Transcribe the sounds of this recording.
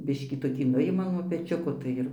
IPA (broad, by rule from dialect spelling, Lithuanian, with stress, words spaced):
ˈbʲɪʃʲkʲiː toːˈkʲiː ˈnʊjɪmɐ nuɔ pʲɛˈt͡ʃʲʊkoː tɐɪ ˈɪr